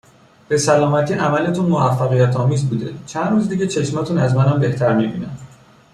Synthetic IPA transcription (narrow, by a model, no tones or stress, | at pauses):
b̥e̞sælɒːmæt̪ʰiːʔæmælet̪ʰunmoæfːæɣijæt̪ʰɒːmiːzbuːd̪e̞̰t͡ʃʰænruːzd̪iːɟet͡ʃʰe̞ʃmæt̪ʰunæzmænæmbe̞ht̪ʰæɾmibḭːnæm